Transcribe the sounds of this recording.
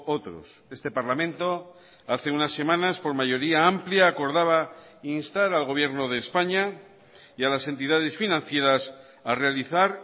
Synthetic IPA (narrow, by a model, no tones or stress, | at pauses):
ot̪ɾo̰se̞st̪epaɾlamẽnt̪o̞ | aθe̞unasːe̞mãnaspo̞ɾmaʝo̞ɾiaampljaːko̞ɾðaβa | inst̪aɾalɣo̞β̞je̞ɾno̞ð̞e̞ːspaɲa | ialase̞nt̪iðað̞e̞sfinãnθje̞ɾas | arealiθaɾ